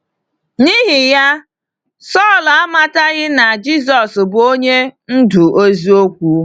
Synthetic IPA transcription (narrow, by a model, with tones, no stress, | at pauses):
ni˦ɦɪ˨ja˦ | sɔː˦˨la˦ma˦ta˦ɣɪ˦na˨d͡ʒi˦s̬ɔ˨sbo˦ɲe˦n̩˦du˨ʔo˦zi˦o˦kʷu˦